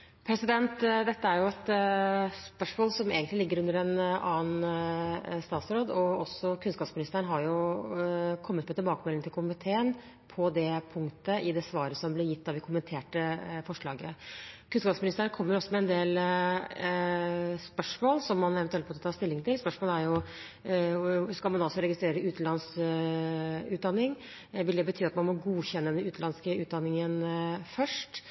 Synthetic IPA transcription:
pʰɾɛsɪd̪ɛnt̪d̪ɛt̪ːəæɾjʊɛt̪ | spœʂmoːlsɔmḛːɡənlɪlɪɡːəɾʉnd̪əɾɛnɑ̰ːən | st̪ɑːt̪sɾoːd̪ɔɔsːɔkʰʉnskɑpsmɪnɪst̪əɳɦɑɾjʊ | kʰɔmːət̪̚pɔɛt̪ɪlbɑːkəmɛlɪŋt̪ɪlkʰʊmɪt̪ʰeːən | pʰɔd̪ɛpʰʊŋkt̪əʔɪd̪ɛsʋɑːɾəsɔmblɪɾjɪt̪ːɑʋd̪ɛkʰʊmənt̪ʰeːʈəfɔʂɭɑːɡəkʰʉnskɑːpsmɪnɪst̪əɾəɳkʰɔmːəɾɔsːɔmɛɛnd̪eːl | spœʂmoːlsɔmːɑnɛʋɛnʉɛlpɔːt̪ɔt̪ʰɑːst̪ɪlːɪŋt̪ɪlspœʂmoːlæɾjʊ | skɑlmɑnɑsɔɾɛɡɪst̪ɾeːɾəʉːt̪n̩lɑns | ʉːt̪̚d̪ɑnːɪŋ | ʋɪld̪ɛbət̪ʰyːɑt̪mɑnmɔɡuːçɛnːəd̪ɛnʉːt̪̩ɑnskəʉːt̪̚d̪ɑnːɪŋənfœʂʈ

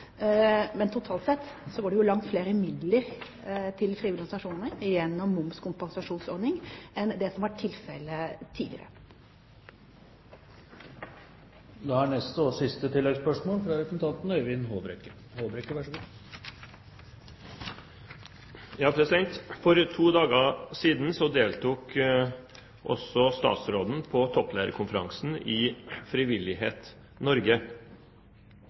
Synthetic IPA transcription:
mɛnt̪ʰʊt̪ʰɑːlt̪sɛt̪ː | sɔɡoːɖɛjʊlɑŋt̪fleːɾəmɪd̪ləɾ | t̪ʰɪlfɾiːʊlɡ̪ɑnsɑʂuːnnəɾɪjɛnːɔmːʊmskʰʊmpɑŋsɑʂuːnsɔɾd̪nɪŋɛnd̪ɛsɔmʋɑʈʰːɪlfɛlət̪ʰiːd̪ɪ̰əɾə̰ | d̪ɛhɑɳɛst̪ɔsɪst̪ət̪ʰɪlːɛɡspœʂmoːlfɾɑɾɛsn̩t̪ʰɑnt̪n̩œʏʋɪnɦoːbɾɛkə | hoːbɾɛkːəʋæʂɡu | jɑːpʰɾɛsɪd̪ɛŋt̪fɔɾt̪ʰuːd̪ɑːɡəsiːd̪n̩sɔd̪eːlt̪uːk | ʔɔ̰sɔst̪ɑ̰ːt̪sɾoːd̪n̩pʰɔt̪ʰɔplæːɾə̰kʰʊnfəɾɑŋsn̩ɪfɾɪʋɪlɪɦeːt̪ | nɔɾɡə

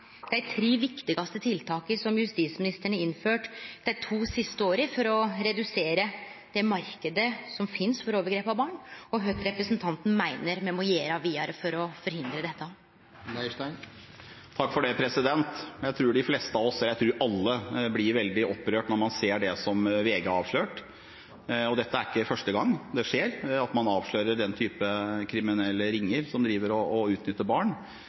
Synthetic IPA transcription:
d̪ɛæɪt̪ʰɾeːʋɪkt̪ɪɡɑst̪ət̪ʰɪlt̪ʰɑːkəɾsɔmjʉst̪iːsmɪnɪst̪əɳəɪnːføːʈd̪æɪt̪ʰuːsɪst̪əoːɾəfɔɾɔɾɛd̪ʉseːɾəd̪̥ɛmɑɾkəd̪əsɔmfɪnsfɔɾoːʋəɾɡɾeːpɑʋbɑːɳɔɦœt̪ɾɛpɾəsnt̪ʰɑnt̪n̩mæɪnəɾmɛmɔjeːɾɑʋiːɑɾəfɔɾɔfɔɾhɪnd̪ɾəd̪ɛt̪ːə | ʂæɪn | t̪ʰɑkːfɔɖɛpʰɾɛsɪd̪ɛnt̪jæɪt̪ʰɾuːɖɪfleːst̪əɑʋɔsɛljæɪt̪ʰɾuːɾʔɑlːəblɪɾʋɛld̪ɪʔɔpːɾøːʈnɔɾmɑnseːɖɛsɔmʋeːɡəɑːʋʂløːʈ | ɔd̪ɛt̪ːəæɾɪkːəfœʂʈəɡɑŋːd̪ɛʂeːɾɑt̪mɑnɑːʋʂløːɾəɖɛnt̪ʰyːpəkʰɾɪmɪnɛlːəɾɪŋːəɾsɔmd̪ɾiːʋəɾɔːʉːt̪nʏt̪ːəbɑːɳ

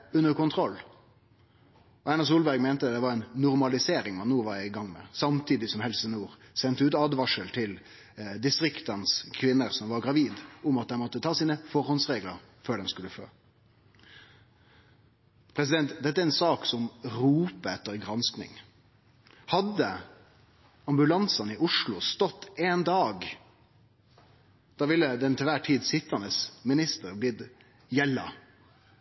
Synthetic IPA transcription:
ʉnːəɾkʊnt̪ʰɾɔlː | ɔænɑs̬uːlbæɾɡmeɪnt̪əd̪ɛʋɑɾɛɪnːʊʁmɑlɪseːɾɪŋmɑnnuːʋɑɾɪɡɑŋːmɛ̰sɑmt̪ʰiːd̪ɪsɔmhɛlsənuːɾsɛnt̪əʉːt̪ɑːd̪ʋɑʂəlt̪ʰɪl | d̪ɪst̪ɾɪkt̪ənskʰʋɪnːəɾsɔmʋɑɾɡɾɑʋiːd̪ʊmɑt̪̚d̪ɛnmɔt̪ːət̪ʰɑːsiːnəfɔɾhɔnsʁeːɡlə̰ɾ | føːɖɛnskʉlːəfø̰ː | pʰɾɛs̬ɪd̪ɛnt̪d̪ɛt̪ːæɾɛnsɑːksɔmɾuːpəɛt̪ːəɾɡɾɑnsknɪ̰ŋ | hɑd̪ːə | ɑmbʉlɑnsɑnɪʔʊʂlʊst̪ɔt̪ːeːnd̪ɑːɡ | d̪̥ɑːʋɪlːəd̪ɛnt̪ʰɪlʋæʈʰiːd̪sɪt̪ʰːɑnəsmɪnɪst̪əɾblɪd̪ | jɛlːɑ̰

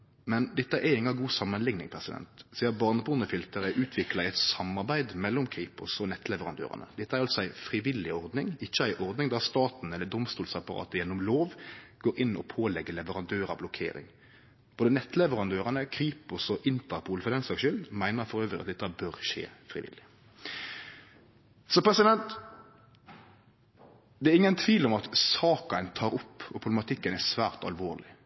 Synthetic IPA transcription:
mɛnd̪ɛt̪ːəʔɛɪŋɑɡuːsɑmːənlɪŋnɪŋpʰɾɛsɪd̪ɛ̰nt̪siːəbɑʁnəpʰʊːnəfɪlt̪əɾæʔʉːt̪ʰʋɪklɑɪɛɪt̪sɑmːɑɾbæɪd̪mɛlːɔmkʰɾiːpʊsɔnɛt̪ːlɛʋəʁɑnd̪ø̰ːɾɑ̰nə̰d̪ɛt̪ːəæɾɑlsɔæɪfɾɪʋɪlːɪɔɾd̪nɪŋɪçːəæɪʔɔɾd̪nɪŋd̪ɑːʁst̪ɑːt̪n̩ɛlːəd̪ʊmst̪uːlsɑpɑɾɑ̰ːt̪əjɛnːɔmloːʋɡ̥oːɾɪnːɔ̰pʰoːlɛɡːəlɛʋəʁɑnd̪øːɾɑ̰blʊkʰḛːɾɪ̰ŋ | b̥oːd̪ənɛt̪ːlɛʋəʁɑnd̪øːɾɑnəkʰɾiːpʊsɔʔɪnt̪əɾpʰuːlfɔd̪ɛnsɑʃʏlmæɪnəfɔɾøːʋɾɪɑt̪̚d̪ɛt̪ːɑbœɾʃḛːfɾɪ̰ʋɪ̰lːɪ | sɔpʁɛsɪd̪ɛnt̪ | d̪ɛæɾɪŋːənt̪ʰʋiːlɔmɑt̪sɑːkɑənt̪ʰɑːɾʊpːɔpʰʊb̪ɛmɑt̪ʰɪkːənæsʋæːʁt̪ɑ̰lʋoːʁlɪ

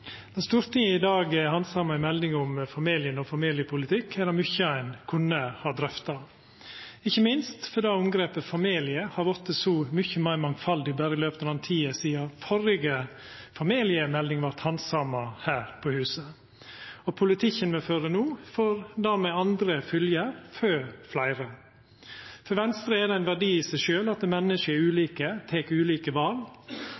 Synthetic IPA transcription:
d̪ɛnst̪uːɾt̪ʰɪŋɪd̪ɑːɡhɑnsɑːmɑɪmɛlnɪŋʊmfɑmiːlɪənɔfɑmiːlɪəpʰʊlɪt̪ʰɪkʰːæd̪ɑmʏçəæɪnkʰʊnːəhɑd̪ɾœft̪ɑ | ɪçːəmɪnst̪fɔd̪ɑːʊmɡɾeːpəfɑmiːlɪəhɑɾʋɔt̪ːəsɔmʏçəmæɪmɑŋfɑld̪ɪbæːɾəɪløːpət̪əlɑnt̪ʰiːəsiːɑfɔɾɪɡə | fɑmiːlɪəmɛld̪ɪŋʋɑɾt̪hɑnsɑmɑhæːɾpʰɔhʉːsə | ɔpʰʊlɪt̪ʰɪçənmeːføːɾənuːfɔɾd̪æːɾmɛɑnd̪ɾəfʏljəɾføːɾflæɪɾɑ | fɔɾʋɛnst̪ɾəɛd̪ɛæɪnʋæɖiːɪsæɪʃøːlɑt̪̚ɛmɛnːəʂəɛʉːliːkət̪ʰeːkʉːliːkəʋɑːl

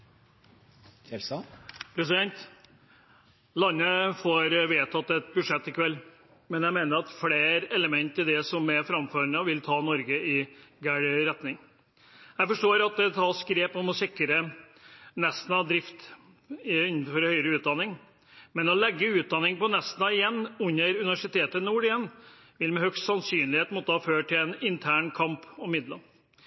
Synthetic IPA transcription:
pʰɾɛs̬ɪd̪ɛnt̪ | lɑnːəfoɾʋeːt̪ʰɑt̪d̪ɛt̪̚bʉdʂɛt̪ːɪkʰʋɛlː | mɛnjæɪmeːnəɾɑt̪fleːɾɛləmɛnt̪ɪd̪ɛsɔmɛfɾɑmføːɾənəʋɪlt̪ʰɑːnɔɾɡəɪɡæɽɾɛt̪nɪŋ | jæɪfɔʂʈoːɾɑt̪̚d̪ɛt̪ʰɑːskɾeːpɔmɔsɪkːɾə | nɛst̪n̩ɑd̪ɾɪft̪ | ɪn̩ːfɔɾhœʏəɾəʉːt̪̚d̪ɑnɪŋ | mɛnɔlɛɡːəʉːt̪̚d̪ɑnɪŋpɔnɛst̪nɑɪjɛnːʉnːəɾʉnɪʋæʂɪt̪ʰeːt̪ənuːɾɪjɛnː | ʋɪlmɛhœkst̪sɑnsyːnlɪheːt̪mɔt̪ːəhɑːføːʈʰɪlɛnɪnt̪ʰæːɳkʰɑmpɔmːɪd̪lə

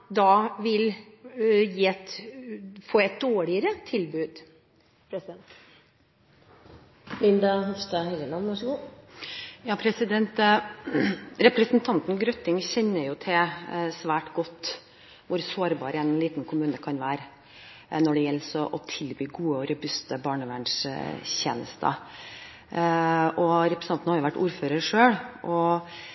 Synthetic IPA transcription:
d̪ɑʋɪl | jiːɛt̪ | foːɛt̪̚d̪oːɭɪəɾət̪ʰɪlbʉːd̪ | pʰɾɛsɪd̪ɛnt̪ | mɪnd̪ɑhɔfst̪ɑhɛlənɑnʋæʂəɡuː | jɑːpʰɾɛsɪd̪ɛnt̪ | ɾɛpɾɛsnt̪ʰɑnt̪nɡɾœt̪ːɪŋçɛnːəɾjʊt̪ʰɛsʋæːʈɡɔt̪ː | ʋʊɾsoːɾbɑːɾəɛnliːt̪n̩kʰʊmʉːnəkʰɑnʋæːɾ | nɔɖɛjɛlːsɔʔɔt̪ʰɪlbyːɡuːəɔɾəbʉst̪əbɑːɳəʋæːɳʂɕeːnə̰st̪ə̰ | ɔɾɛpɾəsnɑnn̩hɑɾjʊʋæʈːuːɾføːɾəɾʂøːɽʔɔ

